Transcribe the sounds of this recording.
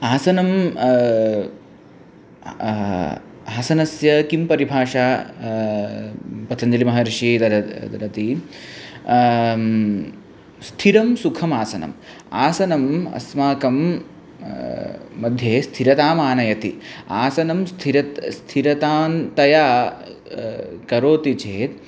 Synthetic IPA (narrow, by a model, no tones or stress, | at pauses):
aːsɐnɐm | aːsɐnɐsjɐkimpɐɾibʱaːʂaː | pɐt̪ʰɐnd͡ʒɐlimɐɦɐɾiʂid̪ɐɾɐd̪ɐɾɐt̪i | st̪ʰiɾɐmsukʰɐmaːsɐnɐ̰m | a̰ːsɐnɐmɐ̰smaːkɐm | ɐd̪ʱjeːst̪ʰiɾɐt̪aːmaːnɐjɐt̪ḭaːsɐnɐmst̪ʰiɾɐt̪st̪ʰiɾɐt̪aːnt̪ɐjaː | kɐɾoːt̪it͡ʃeːt̪̚